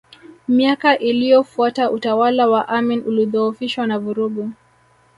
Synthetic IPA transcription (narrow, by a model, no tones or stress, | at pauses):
miakaʔilijɔfuataʔutawalawaʔaminʔuliðɔufiʃwanavuɾuɡu